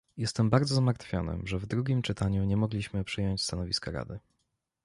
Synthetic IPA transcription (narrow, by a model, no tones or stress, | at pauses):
jɛst̪ɛmbaɾd̪zɔzamaɾt̪fʲjɔ̰nɘ̰ʐɛvd̪ɾuɡʲimt͡ʂɘt̪aɲuɲɛmɔɡlʲiɕmɘpʂɘjɔɲt͡ɕst̪anɔvʲiskaɾa̰d̪ɘ